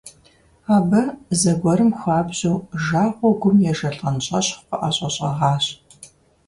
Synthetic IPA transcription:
aːbɐzɐɡʷɔɾɨmxʷaːbʑuːʒaːʁʷɔɡʷʊmjɛʒɐɬʼɐnɕʼɐɕχpɐʔaːɕʼɐɕʼɐʁɑːɕ

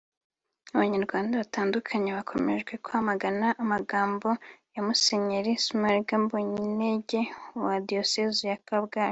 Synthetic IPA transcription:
aβaɲaɾɡwaːndaβataːndukʰaɲeβakʰo̞me̞̰ʒɡwe̞kwhamaɡanaʔamaɡaːmbo̞jamuse̞ɲeɾismaɾɡamboɲineɟe̞wadio̞sezijakabɡaːj

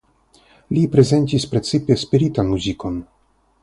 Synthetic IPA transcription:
lipɾe̞ze̞ntispɾe̞t͡sipespiɾitanmuziko̞n

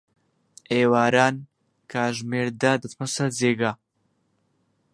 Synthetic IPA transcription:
ewɑɾɑn | kɑʒmeɾd̪ad̪ət̪məsazeɡa

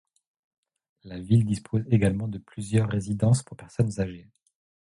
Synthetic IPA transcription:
lavild̪ispʰozeɡalmɑ̃d̪əplyzjœʁːezid̪ɑ̃spuʁpɛʁsɔnzaʒe

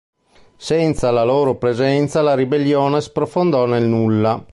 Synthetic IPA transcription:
sɛnt̪salaloːɾopɾezɛnt̪salaɾibelːjoːnespɾofond̪ɔnelnulːa

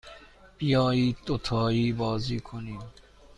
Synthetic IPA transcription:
pijɔit̪ot̪ʰɔibɔzikʰoni

